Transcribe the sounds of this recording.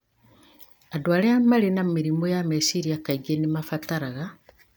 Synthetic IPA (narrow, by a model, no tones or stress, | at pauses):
adwaːleamalinamiɾimojamesiɾiakaiɡenimafataɾaɣa